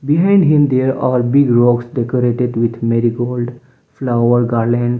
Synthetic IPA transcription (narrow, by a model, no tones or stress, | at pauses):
bɪɦãɪ̃ɳɖɦɪ̃md̪eəɾaːɾbɪɡɾɔːɡsɖɛkoɾeːʈeɖʋɪd̪ʰmɛɾiɡoːlɖ | flaʊəɾɡaːɾlɛ̃ɳɖ